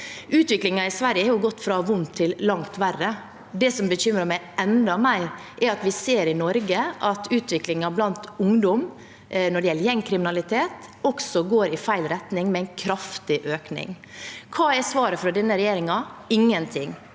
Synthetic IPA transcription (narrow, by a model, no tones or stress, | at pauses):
ʉːt̪ʋɪklɪŋɑɪsʋæɾjəhɑjʊɡɔt̪ːfɾɑʋʊnt̪ʰːɪllɑŋt̪ʋærə | d̪ɛsɔmbəɕʏmɾəmæɪɛnd̪ɑmæɪ | ʔɛɾɑt̪ʋɪseːɾɪnɔɾɡəʔɑt̪ʰʉːt̪ʋɪklɪŋɑblɑnt̪ʊŋd̪ɔm | nɔɖɛjɛlːəjɛŋkʰɾɪmɪnɑlɪt̪ʰeːt̪ɔksɔɡoːɾɪfæɪlɾɛt̪nɪŋmɛɛɪnkʰɾɑft̪ɪʔøːknɪ̰ŋ | kʰɑːɛsʋɑːɾəfɾɑd̪ɛnːəɾɛjeːɾɪŋɑɪŋːənt̪ʰɪŋ